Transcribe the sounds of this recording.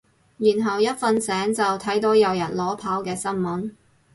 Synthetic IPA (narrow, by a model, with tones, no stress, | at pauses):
jyː˨˩nɦɐ˨˩wjɐ˥t̚fɐ˧nsɛː˨˥ŋt͡sɐ˨wt̪ʰɐ˨˥jt̪o˨˥wjɐ˨˧wjɐ˨˩nlɔː˨˥pʰaː˨˥wkɛː˧sɐ˥nmɐ˨˥n